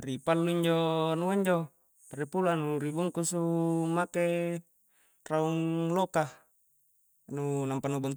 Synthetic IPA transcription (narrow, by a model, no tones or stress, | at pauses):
ɾipalːuiɲd͡ʒonuaɲd͡ʒo | paɾepulanuɾibuŋkusumake | rauŋloka | nunampanubɔnt̪